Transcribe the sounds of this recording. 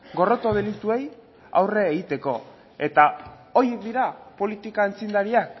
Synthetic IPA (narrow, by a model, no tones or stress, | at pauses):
ɡo̞ro̞t̪o̞ðelit̪ue̞j | a̰wre̞aeɣit̪e̞ko̞ | e̞t̪a | o̞jek̚d̪iɾapo̞lit̪ikaent͡sind̪aɾiak